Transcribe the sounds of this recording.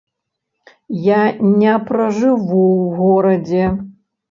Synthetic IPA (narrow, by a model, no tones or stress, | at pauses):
janʲɛpɾɐʐɨvuwɣɔɾɐd͡zʲɛ